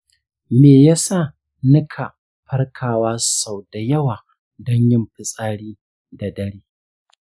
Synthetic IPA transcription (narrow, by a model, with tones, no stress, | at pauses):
meː˨ja˦saː˦˨ | nɪ˦kʰa˨ | ɸɐ˦rkʰaː˨waː˦sa˨wda˨jɐ˦waː˨ | dɔ˦ɲjɪ˦mɸɪ˨sʼaː˦ɽiː˦ | da˨dɐ˦ɽeː˦